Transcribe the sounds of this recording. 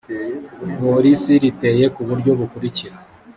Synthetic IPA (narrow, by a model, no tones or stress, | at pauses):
po̞ɾisiɾite̞je̞kuβuɾɟo̞βukuɾiciɾa